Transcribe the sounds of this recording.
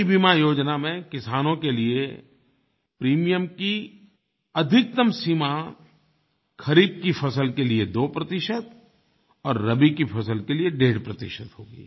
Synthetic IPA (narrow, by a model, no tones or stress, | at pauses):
ibimajoːd͡ʒnamẽkɪsaːnõkelie | pɾiːmijəmki | ɐd̪ʱɪk̚t̪əmsima | kʰɐɾiːb̚kifʰɐsəlkelied̪oːpɾɐt̪ɪʃət̪ | ɔːɾːɐbikifʰɐsəlkelieɖeːɖpɾɐt̪ɪ̰ʃət̪ɦoːɡḭː